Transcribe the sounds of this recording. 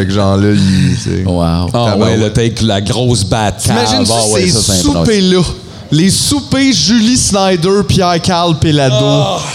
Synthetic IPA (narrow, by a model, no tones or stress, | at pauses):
ɛkʒɑ̃ːləisḛwa̰wawɛ̃lət̪ɛkəlaɡʁoʊsbat̪kaimaʒɪ̃nswessɛ̃pũpelɔ | lesupeʒylisnajd̪ə˞pjɛʁkaʁlpelad̪o